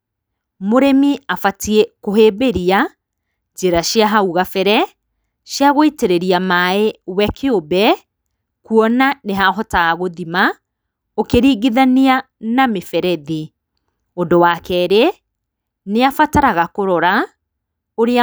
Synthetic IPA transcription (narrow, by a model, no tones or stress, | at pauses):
moɾemiafatiekoɦeːbeɾia | t͡ʃeɾaɕiaɦauɣafɛɾɛ | ɕjaɣoiteɾeɾiamaewɛkʰeobɛ | kuɔnaneɦaɦɔtaːɣoðima | okeɾiːɣiðania | namefɛɾɛði | ondowakɛɾe | neafataɾaɣakoɾɔɾa | oɾea